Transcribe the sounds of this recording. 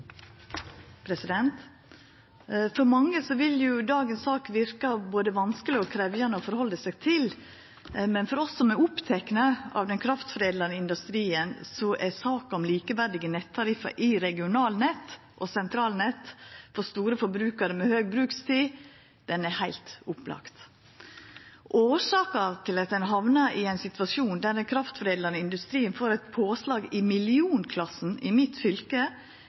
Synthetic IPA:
pʰɾɛsɪd̪ɛnt̪ | fɔɾmɑŋːəsɔʋɪljʊd̪ɑːɡənssɑːkʋɪɾkɑboːd̪əʋɑnskəlɪɔkʰɾɛʋjɑnəɔfɔɾhɔlːəsæɪɡt̪ʰɪl | mɛnfɔɾɔsːɔmɛʊpt̪ʰɛknəɑ̰ʋd̪ɛnkʰɾɑft̪fɾeːd̪lɑnəɪnd̪ʉst̪ɾiːənsɔʔæsɑːkɑɔmliːkəʋæɾd̪ɪɡənɛt̪ʰːɑɾɪfɑ̰ʔɪɾɛɡɪʊnɑːlnɛt̪ː | ʔɔsɛnt̪ʰɾɑːlnɛt̪fɔɾst̪uːɾəfɔɾbɾʉːkəɾəmɛhøːɡ̚bɾʉːkst̪ʰiː | d̪̥ɛnɛhæɪlt̪ʊplɑ̰kt̪ | ʔoːʂɑːkət̪ʰɪlɑt̪̚d̪ɛnɦɑʋnəɾɪæɪnsɪt̪ʋɑʃuːnd̪æd̪ɛnkʰɾɑft̪fɾeːdləɾnəɪnd̪ʉst̪ɾiːənfoːɾɛɪt̪pʰoːslɑːɡɪmɪlɪuːnkʰlɑsn̩ɪmɪt̪fʏlkə

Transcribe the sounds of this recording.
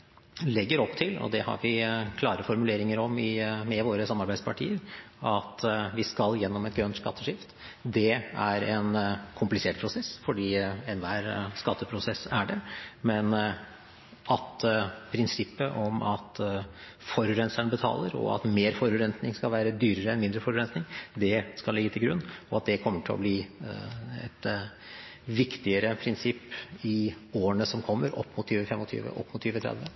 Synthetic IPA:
lɛɡːəɾɔpːt̪ʰɪlɔ̰d̪ɛhɑ̰ɾʋɪkʰlɑːɾəfɔɾmʉleːɾɪŋəɾɔmɪmɛʋoːɾəsɑmːɑɾbæɪd̪spʰɑʈʰḭːəɾ | ɑt̪ʋɪskɑljɛnːɔmɛt̪ɡɾœnt̪skɑt̪ʰːəʂɪft̪ | d̪ɛæɾɛnkʰʊmplɪseːʈ̚pʰɾʊsɛsfɔɖiːɛnʋæːɾskɑt̪ːəpʰɾʊsɛsːæɖɛmɛn | ʔɑt̪pʰɾɪnsɪpːəʔɔmɑt̪ | fɔɾʉɾɛnsæɳəbət̪ʰɑ̰ːləɾɔ̰ɑ̰t̪meːɾfɔɾʉɾɛnt̪nɪŋskɑlʋæːɾəd̪yːɾəɾəɛnmɪnd̪ɾəfɔɾʉɾɛnsnɪŋd̪ɛskɑlɪɡːət̪ɪlɡɾʉnːɔɑt̪̚d̪ɛkʰɔmːəʈʰɪlɔ̰bliː | ɛ̰t̪ | ʋɪkt̪ɪəɾəpʰɾɪnsɪpːɪ | oːəɳəsɔmkʰɔmːəɾʔɔ̰pːmʊt̪ʰːyːʋəfɛmːɔt̪ʰy̰ːʋə̰ʔɔ̰pːmʊt̪ːʰyːʋət̪ʰɾɛ̰d̪ʋə

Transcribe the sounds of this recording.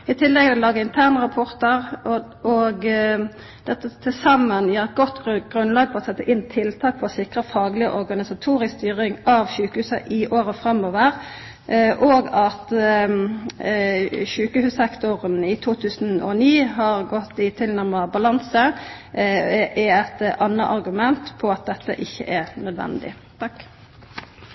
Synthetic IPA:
ɪt̪ʰɪlːɛɡɛʋlɑːɡəɪnt̪ʰæːʁnəʁɑpʰɔɾt̪əʁ | ɔɡ | d̪̥ɛt̪ːət̪ʰɪsɑmənjiːʁɛt̪̚ɡɔt̪ːɡ̥ʁʉnlɑːɡ̚pʰɔʁɔsɛt̪ːəʔɪnːt̪ʰɪlt̪ʰɑːk̚pʰɔɔsɪkʁəfɑːɡlɪəʔɔʁɡɑnɪsɑt̪ʰuːɾɪsst̪yːʁɪŋɑʋʃʉːkəhʉːsəʔɪʔoːʁəfʁɑmoːʋəʁ | ʔʔɔɡɑt̪ | ʃʉːkəhʉːsɛkt̪ʊʁənɪt̪ʰuːt̪ʰʉːsn̩ɔ̰niːɦɑʁɡɔt̪ːɪt̪ʰɪlnæʁmɑbɑlɑnsə | ʔɛæt̪ʔɑnːəʔɑɾɡʉmɛnt̪pʰɔɑt̪̚d̪ɛt̪ːəʔɪçːə̰ʔɛʁnœd̪ʋɛ̰nd̪ɪ̰ | t̪ʰɑkː

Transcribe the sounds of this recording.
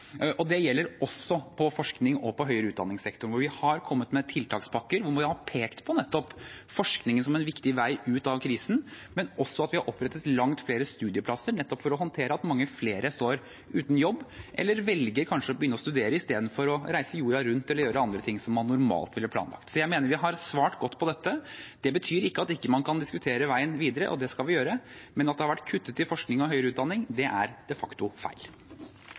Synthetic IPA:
ʔɔd̪ɛjɛlːəɾɔsːɔpʰɔfɔʂknɪŋɔpʰɔɦœʏɾəʉːt̪d̪ɑ̰nːɪŋsɛkt̪ʊɳʋʊɾʋɪhɑɾkʰɔmːət̪mɛt̪ʰɪlt̪ʰɑːkspʰɑkːəɾʋʊmʋɪhɑpʰeːkt̪pʰɔnɛt̪ːɔpfɔʂknɪŋənsɔmɛnʋɪkt̪ɪʋæɪʔʉːt̪ɑʋkʰɾiːsn̩mɛnʔɔsːɔɑt̪ʋɪhɑɾʔɔpːɾɛt̪ːət̪lɑŋt̪fleːɾəst̪ʉːd̪ɪəpʰlɑsːəɾɳɛt̪ːɔpfɔɾɔɦɔnt̪ʰeːɾəɑt̪mɑŋːəfleːɾəst̪oːɾ | ʉːt̪n̩jɔbːʔɛ̰lːəɾʋɛlɡəɾkʰɑnʂəɔbəjʏnːəɔst̪ʉd̪eːɾəɪst̪eːd̪n̩fɔɾɔɾæɪsəjuːɾɑɾʉnt̪ɛlːəɾjøːɾəɑnd̪ɾət̪ʰɪŋːsɔmːɑnːʊɾmɑ̰ːlt̪ʋɪləɾplɑ̰ːnlɑ̰kt̪sɔjæɪmeːnəɾʋɪɦɑɾsʋɑːʈɡɔt̪ːpʰɔd̪ɛt̪ːəd̪̥ɛbət̪ʰyːɾɪkːəɑt̪ɪkːəmɑnkʰɑnd̪ɪskʉt̪ʰeːɾəʋæɪənʋiːd̪əɾə̰ʔɔ̰d̪ɛskɑlʋɪjøːɾəmɛnɑt̪̚d̪ɛhɑɾʋæʈːkʰʉt̪ːət̪ːɪlfɔʂknɪŋɔɦœʏɾʉːt̪d̪ɑnːɪŋd̪ɛʔæɾd̪̥ɛfɑkt̪ʊfæ̰ɪl

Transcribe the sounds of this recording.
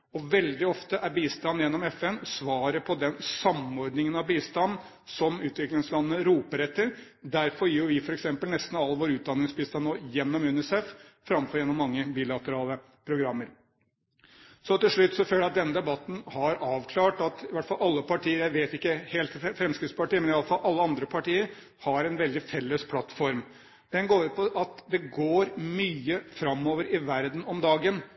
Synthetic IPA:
ɔʋɛld̪ɪɔft̪əʔæɾbiːst̪ɑnːjɛnːɔmɛfɛnsʋɑːɾəpʰɔd̪ɛnsɑmɔɾɖnɪŋənɑʋbiːst̪ɑnː | sɔmʉːt̪ʋɪklɪŋslɑnːənəɾuːpəɾɛt̪ːəɾ | d̪æɾfɔɾjiːɾjʊʋɪfɔɾɛksɛmpəlnɛst̪n̩ɑlːʋoːɾʉːt̪̚d̪ɑnːɪŋsbiːst̪ɑnːoːjɛnːɔmʉnɪsɛffɾɑmfɔɾjɛnːɔmːɑŋːəbiːlɑt̪əɾɑːlə | pʰɾʊɡɾɑmːəɾ | sɔt̪ɪlʂɭʉt̪ːsɔføːlɑt̪̚d̪ɛnːəd̪ɛbɑt̪n̩hɑɾɑːʋkʰlɑːʈɑt̪ɪʋæʈfɑlʔɑlːəpɑʈʰiːəɾjæɪʋeːt̪ɪkːəheːlt̪ːfɾɛmskɾɪt̪spɑʈiːəmɛnɪɑləfɑlʔɑlːəɑnd̪ɾəpʰɑʈiːəɾ | hɑɾɛnʋɛld̪ɪfɛlːəspʰlɑt̪ːfɔɾm | d̪ɛnɡoːɾʉt̪̚pʰɔʔɑt̪d̪ɛɡoːɾmyːəfɾɑmːoːʋəɾɪʋæɾd̪n̩ɔmd̪ɑːɡən

